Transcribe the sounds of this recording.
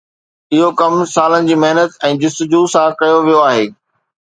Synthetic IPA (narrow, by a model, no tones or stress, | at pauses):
ɪɦokɐmsaːlənɪ̆d͡ʑiːmɐɦnət̪ɛ̃ːdɪst̪ɪd͡ʑuːsãːkɐjoʋijoaːɦeː